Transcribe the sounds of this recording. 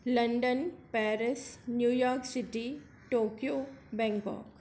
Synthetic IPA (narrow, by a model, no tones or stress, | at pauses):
lɐ̃ɳɖənpɛːɾɪsnjuːjɔːɾksɪʈi | ʈoːkijoːbɛ̃ːŋkɔ̰ːk